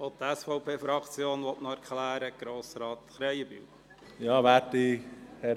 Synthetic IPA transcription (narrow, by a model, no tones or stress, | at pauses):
ot̪ɛsfɔʊpʰeːfɾɑkt͡sjoːnʋɔtnɔæɾkʰlæːɾəɡ̥ɾoːsɾɑːt̪χɾɛjəby̰w | jɑːʋæːtihɛ